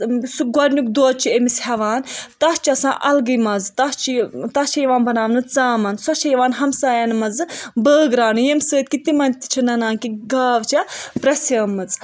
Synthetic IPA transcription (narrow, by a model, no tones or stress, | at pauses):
suɡɐɾʲnʲukd̪oːt͡ʃʰiemishɐʋaːnt̪ɐst͡ʃɐsã̰ːʔɐlɡɨjmɐzt̪ɐst͡ʃʰit̪ɐt͡ʃʰɐjiʋaːnbɐnaːmnɨt͡saːmɐnsɐt͡ʃʰɐjɐʋaːnɦɐmsaːjanmɐzɨbəːɡɾaːnujemsəːt̪̚kit̪imɐnʲt̪i̥t͡ʃʰinɐnaːnkiɡaːʋt͡ʃʰɐpɾɐsɐːmɐt͡s